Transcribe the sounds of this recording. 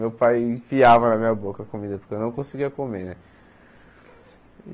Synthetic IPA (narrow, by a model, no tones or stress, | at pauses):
mewpajfiavɐnɐmĩɲɐbokɐkomĩd̪ɐpʊɾkeewnɐ̃w̃kõsiɡiɐkomenɛ